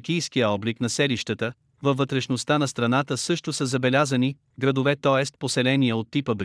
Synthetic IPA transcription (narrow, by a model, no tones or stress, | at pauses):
k̟ijsk̟ijəɔbliknɐsɛliʃt̪ət̪ə | vɐvːət̪ɾɛʃnost̪anɐst̪ɾɐnat̪əsɤʃt̪osəzɐbɛlʲazəni | ɡɾɐd̪ovɛt̪ɔɛst̪̚posɛlɛniəot̪ːipəbɾ